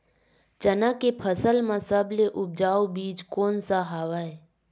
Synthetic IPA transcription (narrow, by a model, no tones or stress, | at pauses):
t͡ʃənakepʰəsəlmãsəbleʔʊb̚d͡ʒaːobiːd͡ʒkoːnsaɦaːʋae